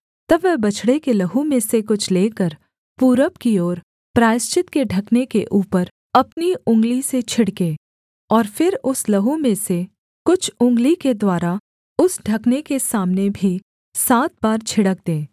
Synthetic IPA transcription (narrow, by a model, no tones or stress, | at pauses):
t̪ɐbʋɛːbɐt͡ʃʰɽekelɐɦũmẽsekʊt͡ʃʰleːkəɾ | puːɾəpkiɔːɾ | pɾaːɪst͡ʃɪt̪keɖʱɐknekeʔuːpəɾ | ɐpniʊ̃ŋɡliset͡ʃʰɪɽkeː | ɔːɾfɪɾʊslɐɦũmẽse | kʊt͡ʃʰʊ̃ŋɡliked̪waːɾa | ʊsɖʱɐknekesaːmnebʱi | saːt̪̚baːɾt͡ʃʰɪɽək̚d̪ẽː